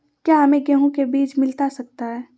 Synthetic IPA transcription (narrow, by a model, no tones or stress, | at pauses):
kjaːɦɐmẽɡɛɦõkebiːt͡ʃmɪlt̪asɐk̚t̪aɦɛː